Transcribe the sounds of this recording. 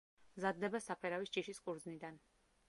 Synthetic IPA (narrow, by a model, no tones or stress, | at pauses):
mzad̪ːɛbasapʰɛɾavisd͡ʒiʃiskʼuɾd̪znid̪an